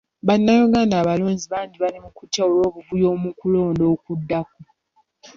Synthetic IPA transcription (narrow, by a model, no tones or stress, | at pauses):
βanːajuɡaːndaːβaloːɲziβaːndiβalimukutjaolo̞ːβuvujoːmukulo̞ːndo̞ːkudːako